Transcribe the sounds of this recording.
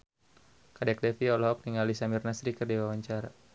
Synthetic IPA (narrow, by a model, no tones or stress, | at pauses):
kadɛk̚dɛfiɔlɦɔk̚niŋalisamirnasɾikərdiwawaɲt͡ʃaɾa